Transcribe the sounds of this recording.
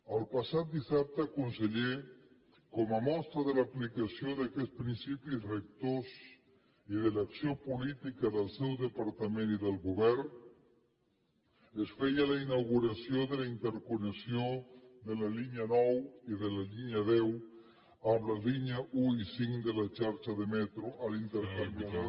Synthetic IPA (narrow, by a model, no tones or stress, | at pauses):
əlˠpasat̪̚d̪isap̚t̪əakunseʎe | kɔmamɔst̪ɾaðəlaplikasjoðakɛspɾinsipisrek̚t̪oz | iðəlaksjopulit̪ikaðəlˠsɛwðəpaɾt̪amẽniðəlˠɣuβɛɾ | esfejalainawɣuɾasjod̪elaint̪eɾkonesjod̪elaliɲanɔwiðelaliɲaðew | aβlaliɲauisiŋd̪elat͡ʃaɾt͡ʃaðemɛt̪ɾoʔalint̪eɾkaɾona